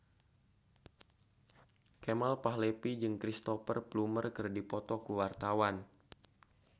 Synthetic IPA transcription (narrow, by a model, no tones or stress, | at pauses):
kemalpaɦlepid͡ʒɨŋkɾist̪ɔfərplumərkɨrdipɔt̪ɔkuwart̪awan